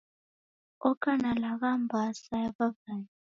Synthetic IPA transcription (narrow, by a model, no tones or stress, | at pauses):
ɔkʼanalakambʱasajaβabani